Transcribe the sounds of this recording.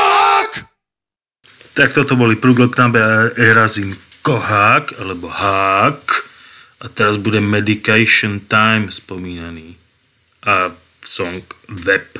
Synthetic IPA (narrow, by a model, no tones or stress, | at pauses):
ak | t̪ak̚t̪ɔt̪ɔbɔlipɾuːɡɔknabɛɛɾazinkɔɦaːkalɛbɔhaːk | ʔat̪ɛɾazbuɟɛmɛd̪ikajʃɔnt̪ajmspɔmiːnaniː | ʔa | sɔŋkʋɛp